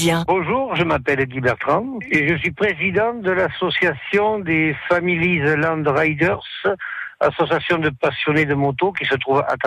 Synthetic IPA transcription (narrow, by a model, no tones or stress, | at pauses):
jɛ̃bɔ̃ʒuʁʒəmapɛlɡ̪ibɛʁt̪ʁɑ̃eʒəsɥipχezid̪ɑ̃d̪əlasɔsjasjɔ̃d̪efamilizlɑ̃d̪ʁajd̪œʁsa̰sɔsjasjɔ̃d̪əpasjɔned̪əmot̪okisət̪χuva̰t̪